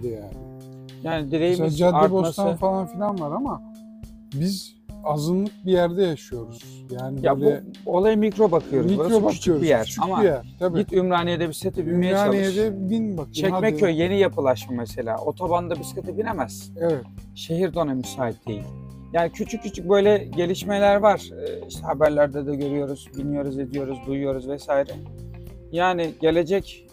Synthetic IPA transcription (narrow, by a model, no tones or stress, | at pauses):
d̪ijalʲ | jaːnid̪iɾejimd͡ʒadaɛbosasafalˠanfilʲanvaɾama | biz | azɯnlˠɯk̚bijæɾd̪ɛjaʃɯjo̞ɾuz̥ | jaːnijab̪uɛo̞lˠajɯmicɾo̞bakʰɯjo̞ɾuiɾaɾoubaykt͡ʃʰjoɾbijæɾ̥amaijæɾʰit̪ʰymɾaːnijed̪ɛbiset̪ʰibinmijenid̪ɛbinbakt͡ʃʰɛcmɛøjje̞nijapʰɯlˠaʃmamese̞lʲa̰ːʔo̞t̪ʰo̞band̪abiskat̪ʰɯbinemæz̥ | e | ʃe̞ɦiɾd̪o̞namysaːip̚d̪ejilʲ | jaːnicʰyt͡ʃʰyc̚cːyt͡ʃʰyc̚bø̞jlʲɛɟe̞lʲiʃmelʲæɾvaɾ̥iʃt̪ʰɛhabæɾlʲæɾd̪ɛd̪ɛɟø̞ɾyjo̞ɾuz̥bilʲijo̞ɾuzed̪ijo̞ɾuzd̪ujujo̞ɾuzvɛsaːjiɾɛ | jaːnɪɟe̞lʲe̞d͡ʒɛc